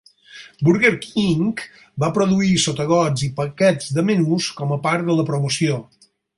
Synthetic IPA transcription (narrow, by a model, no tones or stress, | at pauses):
buɾɣeɾkiŋk | bapɾoðuisot̪əɣ̞ɔd͡zipəkɛd͡zd̪əmənuskɔməpaɾt̪d̪ələpɾomusio